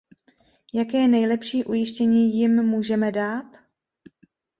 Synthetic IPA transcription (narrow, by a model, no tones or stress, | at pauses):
jakɛːnɛjlɛpʃiːʔujɪʃcɛɲiːjɪmːuːʒɛmɛdaːt̪